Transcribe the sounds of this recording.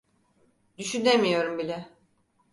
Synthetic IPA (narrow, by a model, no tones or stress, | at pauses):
d̪yʃyne̞mijo̞ɾumbilʲɛ